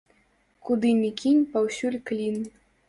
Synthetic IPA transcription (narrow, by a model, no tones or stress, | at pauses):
kud̪ɨnʲikʲinʲpawsʲulʲklʲin